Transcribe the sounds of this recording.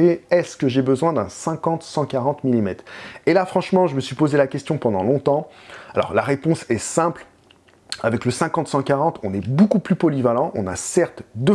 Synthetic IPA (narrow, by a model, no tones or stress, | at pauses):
eɛskəʒebəzwɛ̃d̪ɛ̃sɛ̃kɑ̃t̪sɑ̃kaʁɑ̃t̪milimɛt̪χelafχɑ̃ʃmɑ̃ʒəməsɥipozelakʲɛst̪jɔ̃pɑ̃d̪ɑ̃lɔ̃t̪ɑ̃alɔ̰ʁlaʁepɔ̃sɛsɛ̃pl | avɛkləsɛ̃kɑ̃t̪sɑ̃kaʁɑ̃t̪ɔ̃nɛbokuplypɔlivalɑ̃ʔɔ̰̃nasɛʁt̪d̪ə